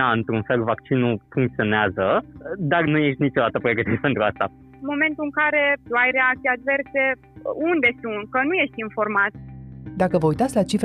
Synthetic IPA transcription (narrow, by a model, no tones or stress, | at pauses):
aɨnt̪ɾunfe̞lvakt͡ʃinufuŋk̚t̪sio̞neazəd̪arnujeʃt̪ʲnit͡ʃo̞d̪at̪əpɾeɡət̪iɾʲpe̞nt̪ɾuast̪a | mo̞me̞nt̪uɨŋkaɾe̞t̪uajre̞ak̚t̪siad̪ve̞rse̞ | und̪e̞sunt̪̚kənuje̞ʃt̪ʲinfo̞rmat̪d̪akəvəujt̪at̪sʲlat͡ʃifɾ